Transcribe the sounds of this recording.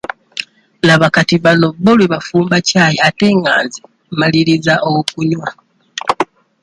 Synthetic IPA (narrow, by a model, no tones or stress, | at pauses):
laβakatiβano̞bːolweβafuːmbacaːjeate̞ːŋa̰ːnze | maliɾizaʔowokuɲwa